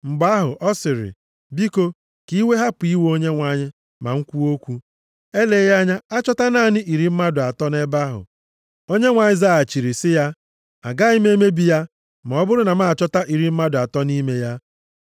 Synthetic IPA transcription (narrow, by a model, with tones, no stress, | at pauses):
ŋ͡m̩˨ɡ͡ba˦ɦʊ˨ʔɔ˦sɪ˨ɾɪ̰˨ | bi˦ko˦ | ki˦we˦ɦa˦pʊ˨i˦wo˦ɲe˦ŋʷa˨ɲɪ˦ | ma̰˨ŋ̩˦kʷu˦o˦kʷu˦ | e˦le˨˦ja˦ɲa˦a˦t͡ʃɔ˦ta˦naː˦˨nɪ˦ʔi˨ɾi˨m̩˦ma˦dʊ˨a˨tɔ˦ne˦ba˦ɦʊ̰˨ | o˦ɲe˦ŋʷa˨ɲɪ˦za˦a˨t͡ʃi˨ɾi˨sɪ˦ja˦ | a̰˨ɡa˦i˦me˦me˦bi˨ja˦ | ma˨ɔ˦bʊ˦ɾʊ˦na˨ma˦˨t͡ʃɔ˦ta˦ʔi˨ɾi˨m̩˦ma˦dʊ˨a˨tɔ˦ni˦me˨ja˦